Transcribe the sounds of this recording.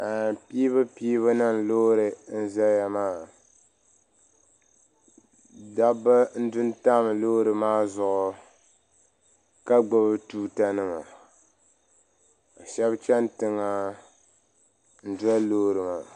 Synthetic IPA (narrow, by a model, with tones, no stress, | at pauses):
a˨pi˦βɨ˦pi˦βa˦na˦n˨lo˦ɾɨ˨n̩˦za˦ja˨maː˦˨ | da˦bɨ˦n̩˦dʊ˦n˦ta˦m˨loː˦ɾɨ˨maː˦zʊ˨ʔʊ˨ | ka˦ɡ͡bʊ˨bɨ˦tuː˦ta˦nɨ˦ma̰˨ | o˨ʃɛ˦bt͡ʃɛ˦ntɨ˦ŋa˦ | n̩˦dʊ˦a˦loː˦ɾɨ˨ma˨